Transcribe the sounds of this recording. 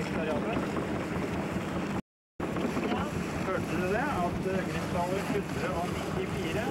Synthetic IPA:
t̪ʰɑɾɪɑːlə | høːʈəd̪ʉd̪ɛɑt̪øːɡəɾɪst̪ɑːləɾpʰʉt̪ːəɾɔnɪt̪ɪfiːɾə

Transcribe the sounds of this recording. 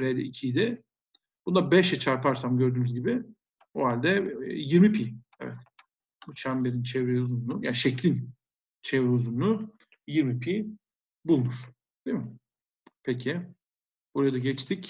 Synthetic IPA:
ɾejd̪ɛ̰ʔicʰijd̪ɪ | bund̪abɛʃɛt͡ʃʰaɾpʰaɾsamɟø̞ɾd̪yːnyzɟibɪ | oɦalʲd̪ɛjiɾmipʰiː | ɛ̰vɛ̰t̪ | but͡ʃʰambelʲint͡ʃʰɛvɾeuzunlˠuja̰ːnʃɛclʲin | t͡ʃʰɛvɾɛuzunlˠʊ | jiɾmipʰi | bulˠmuɾ̥ | d̪̥emɪ | pʰecʰɪ | buɾajad̪aɟɛt͡ʃt̪ʰic

